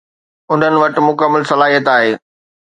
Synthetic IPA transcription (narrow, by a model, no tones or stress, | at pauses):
ʊn̤ənɪ̆ʋɐʈ̆mʊkəmːəɪlsɐlaːɦijət̪aːɦeː